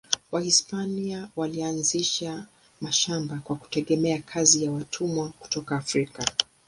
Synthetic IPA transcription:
wahispaniawalianziʃa | maʃambakwaku̥tɛɠɛmɛakʰazijawatʰumwaku̥tɔkaːfɾika

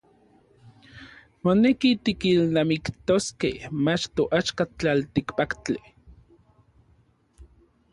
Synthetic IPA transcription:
monekit̪ikilnamikt̪oskḛhmat͡ʃt̪oʔat͡ʃkat͡ɬalt̪ikpakt͡ɬi

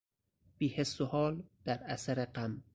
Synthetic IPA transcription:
b̥iːhesːohɒːld̪̥æɾæsæɾeɢæm

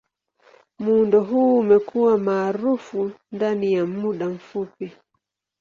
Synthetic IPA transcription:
mundɔɦuːmɛkuwamaːɾufundanijamuɗaɱ̩fupi

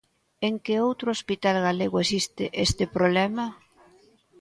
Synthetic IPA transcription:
eŋkeowt̪ɾʊospit̪alɣaleɣoesist̪ɪʔest̪ɪpɾoβlɛmɐ

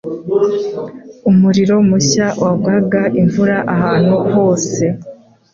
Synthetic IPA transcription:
umuɾiɾo̞muɕawʔabɡaɡaʔiɱvuɾaʔahaːn̥huho̞ːse̞

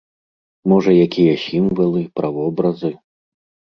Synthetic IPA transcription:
mɔʐɐjakʲijɐsʲimvɐlˠɨpɾʔavɔbɾɐzɨ

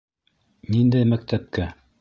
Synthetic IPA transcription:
nind̪æjmæk̚t̪æp̚kæ

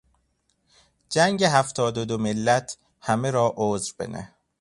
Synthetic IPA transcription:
d͡ʒæŋɟeɦæft̪ʰɒːd̪od̪omelːæt̪ʰ | hæmeɾɒːʔoːzɾbḛnæ̰

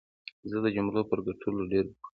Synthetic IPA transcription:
zəd̪əd͡ʒʊmlopəɾɡaʈʰuloɖeɾkə

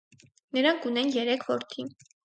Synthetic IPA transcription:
nəɾɑŋkʰunɛnjɛɾɛkʰvɔɾt̪ʰin

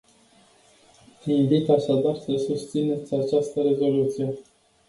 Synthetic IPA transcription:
invit̪aʃad̪arsəsust̪sine̞t̪sʲat͡ʃast̪əɾe̞zo̞lut̪sije̞

